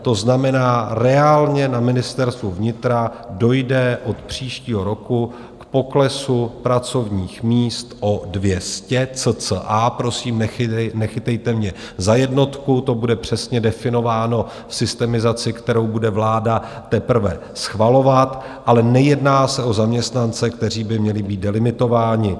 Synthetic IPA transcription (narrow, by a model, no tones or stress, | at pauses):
t̪o̞znamɛnaːɾɛaːlɲɛnamɪnɪst̪ɛɾst̪vuvɲɪt̪ɾa | do̞jdɛʔo̞t̪pr̝̥iːʃciːɦo̞ɾo̞ku | kpo̞klɛsupɾat͡so̞vɲiːxmiːst̪ʔo̞dvjɛscɛt͡sət͡səʔapɾo̞siːmnɛxɪt̪ɛjt̪ɛmɲɛ | zajɛdno̞t̪kut̪o̞budɛpr̝̥ɛsɲɛdɛfɪno̞vaːno̞ | fsɪst̪ɛmɪzat͡sɪkt̪ɛɾo̞wbudɛvlaːdat̪ɛpɾ̩vɛ̰ | sxvalo̞vat̪ | ʔalɛnɛjɛdnaːsɛʔo̞zamɲɛst̪nant͡sɛkt̪ɛr̝iːbɪmɲɛlɪbiːt̪̚dɛlɪmɪt̪o̞vaːɲɪ